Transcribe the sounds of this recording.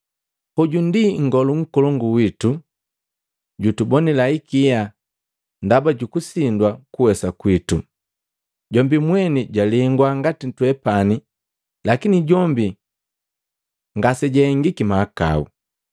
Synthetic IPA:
pɔɟundiŋ̩ɡɔluŋ̩kɔlɔŋɡuwitu | ɟutubɔnilaikija | ndabaɟukusindwakuwɛsakwitu | ɟɔmbimwɛniɟaliŋɡwaŋɡatitwɛpani | lakiniɟɔmbi | ŋɡasɛɟɛŋɡikimaːka̰ṵ

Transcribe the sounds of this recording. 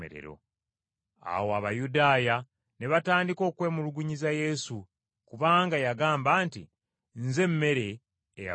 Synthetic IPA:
ḛɾḛɾo̞̰ | a̰woaβajudaːja | ne̞βataːndiko̞ːkwe̞ːmuluɡuɲizaje̞su | kuβaːŋɡajaɡaːmbaːntḭ | nze̞mːe̞ɾe̞ː | ja̰

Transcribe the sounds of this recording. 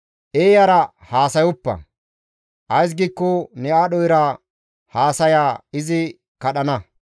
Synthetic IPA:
ʔeːjɐɾɐ | haːsɐjʊpːɐ̰ | ʔɐjs̬ɡiːkːɔnɛaːɗɔjɾɐ | haːsɐjaːɪzɪ | kɐɗɐnɐ

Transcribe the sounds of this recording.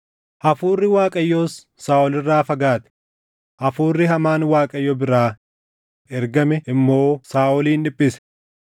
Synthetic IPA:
ʔɐfuːrːɪwaːkʼɐjːoːsː | aːʔɔlɪrːaːfɐɡaːt̪ɛ̥ | ʔɐfuːrːɪɦɐmaːnwaːkʼɐjːɔbɪɾaː | ʔɛɾɡɐmɛʔɪmːo̞ːsaːʔɔliːnᶑɪpʼːɪsɛ̥

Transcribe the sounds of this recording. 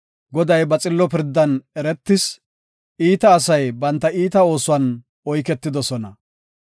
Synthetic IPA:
ɡɔd̪ɐjbɐt͡sʼɪlːɔpɪɾd̪ːɐnɛɾɛt̪ːɪs | ʔiːt̪ɐːsɐjbɐnt̪ːɐiːt̪ɐo̞ːsʊwɐn | ɔjkɛt̪ːɪd̪ɔsɔnɐ

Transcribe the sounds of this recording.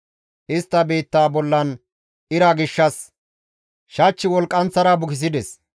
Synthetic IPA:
ʔɪst̪ːɐbe̞ːt̪ːaːbɔlːɐn | ʔɪɾɐɡɪʃːɐs | ʃɐt͡ʃːɪwɔlkʼːɐnt͡sːɐɾɐbʊkɪs̬ɪd̪ɛs

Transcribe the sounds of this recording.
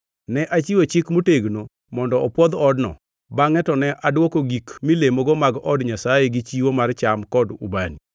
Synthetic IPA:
nɛʔat͡ʃiwot͡ʃɪkmoteɡno | mɔndɔɔpwɔd̪ɔdnɔ̰ | baŋɛtɔnɛʔadwokoɡikmilemoɡomaɡɔdɲasajeɡɪt͡ʃiwomart͡ʃamkɔdṵbani

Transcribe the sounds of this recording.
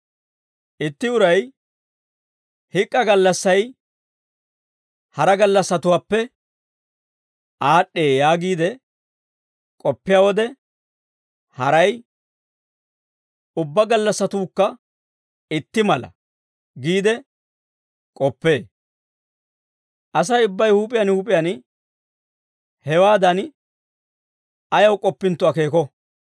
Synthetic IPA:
ɪt̪ːɪʊɾɐj | hɪkʼːɐɡɐlːɐsːɐj | hɐɾɐɡɐlːɐsːɐt̪ʊwaːpːɛ | ʔaːɗːe̞ːjaːɡiːd̪ɛ | kʼɔpːɪjaːwɔd̪ɛ | hɐɾɐj | ʊbːɐɡɐlːɐsːɐt̪uːkːɐ | ɪt̪ːɪmɐlɐ̰ | ɡiːd̪ɛ | kʼɔpːe̞ː | ʔɐsɐjʊbːɐjhuːpʼɪjɐnhuːpʼɪjɐn | hɛwaːd̪ɐn | ɐjɐwkʼɔpːɪnt̪ːʊɐke̞ːkɔ

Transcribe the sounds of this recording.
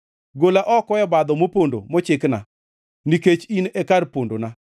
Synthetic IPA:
ɡolaʔɔkɔɛbad̪ɔmopondo̰mɔt͡ʃɪkna | niket͡ʃinɛkarpondona

